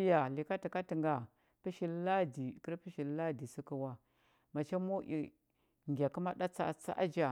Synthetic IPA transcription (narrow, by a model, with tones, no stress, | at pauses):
ja˨li˨ka˦ti˨ka˦ti˨ŋɡa˨ | pi˦ʃi˦lla˦di˨kə˦ɾpi˦ʃi˨lla˦˨di˨si˦ku˦wa˦ | ma˨t͡ʃa˦mo˦ʔḭ˨ | ŋɡʲa˨ku˦ma˦ɗa˦t͡sa̰˦t͡sa̰˦ʔa̰˦d͡ʒa˨